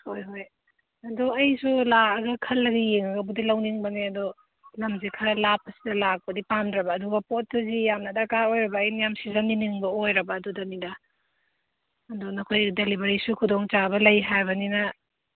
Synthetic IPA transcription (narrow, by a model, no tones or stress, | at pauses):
hojɦoj | ɐduɐjsulaɐɡɐkʰɐlːɐɡijeŋɐɡɐbudilɐwniŋbɐneɐdo | lɐmzikʰɐɾlap̚ɐsi̥dɐlak̚pɐdipamdɾɐbɐːduɡɐpot̚ːɐzijamnɐdɐkaɾojɾɐbɐːjnijamsizɐnːiniŋbɐojɾɐbɐːdudɐnidɐ | ɐdonɐkʰojdelibɐɾisukʰudoŋt͡ʃabɐlɐjɦajbɐninɐ